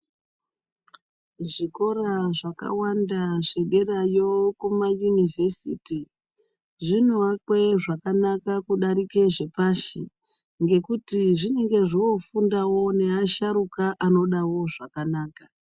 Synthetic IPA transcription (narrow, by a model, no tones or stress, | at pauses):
ʐiko̞raʐaka̰wandaʐe̞ɗe̞rajo̞kumajunive̞sḭti | ʐinoakwe̞ʐakanakakuɗaɾike̞ʐe̞paʃi | ŋɡe̞kutiʐine̞ŋɡe̞ʐiwo̞fundawo̞ne̞aʃaɾukaʔano̞ɗawo̞ʐakanaːka